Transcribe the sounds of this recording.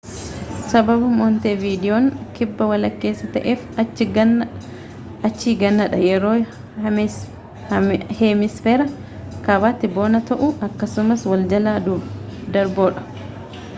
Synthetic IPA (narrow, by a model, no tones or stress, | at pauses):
sɐbɐbɐmoːnt̪eːviːd̪ɪjoːŋkɪbːɐwɐlɐkːe̞ːsːɐt̪ɐʔeːf | ɐt͡ʃːiːɡɐnːɐᶑɐjɛɾoː | hemɪsfeːɾɐ | kɐbaːt̪ːɪbo̞ːnɐt̪ɐʔʊʔɐkːɐsʊmɐswɐld͡ʒɐlaːd̪uːd̪ɐɾboːᶑɐ̥